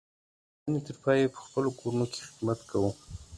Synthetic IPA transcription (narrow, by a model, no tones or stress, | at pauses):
net̪əɾpɑjepə̥xpəlokoɾunoke̥xɪd̪mat̪kʰawu